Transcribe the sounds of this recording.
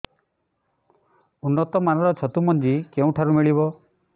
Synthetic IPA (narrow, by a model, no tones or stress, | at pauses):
unːɔt̪ɔmanɔɾɔt͡ʃʰɔt̪umɔnd͡ʒikeũʈʰaɾumiɭiβɔ